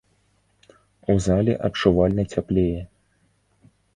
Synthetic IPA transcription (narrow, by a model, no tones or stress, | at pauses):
uzalʲɛ̰ʔɐt͡ʂuvalʲnɐt͡sʲaplʲejɛ